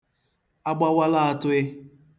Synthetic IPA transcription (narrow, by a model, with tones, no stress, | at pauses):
a˦ɡ͡ba˦wa˦la˦a˨tʊ˦ɪ˦